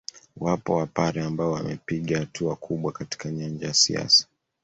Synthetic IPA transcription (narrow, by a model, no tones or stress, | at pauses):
wapɔwapaɾɛambaɔwa̰mɛpiɠahatʰuakʰuɓwakati̥kaɲand͡ʒajasḭa̰sḁ